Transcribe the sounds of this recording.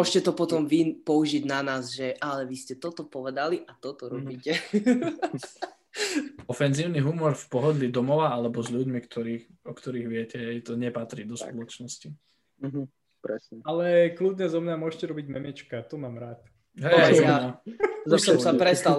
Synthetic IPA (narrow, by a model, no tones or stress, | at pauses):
ɔʃcɛt̪ɔpɔt̪ɔmʋipɔuʒiɟnanaːzʒɛʔalɛʋiscɛt̪ɔt̪ɔpɔʋɛd̪aliʔat̪ɔt̪ɔɾɔbiːcɛ | ɔfɛnziːʊniɦumɔɾfpɔɦɔd̪lid̪ɔmɔʋaalɛbɔzʎuɟmikt̪ʰɔɾiːxɔkt̪ɔɾiːɣʋɪɛcɛɛt̪ɔɲɛpat̪ɾiːd̪ɔspɔlɔt͡ʃnɔsci | ɦ | pɾɛ̰sɲɛalɛklud̪ɲɛzɔmɲamʊɔʃcɛɾɔbiɟmɛmiɛt͡ʃkat̪ɔmaːmɾaːt̪ | ɦɛaaɔsɔmsapɾɛst̪al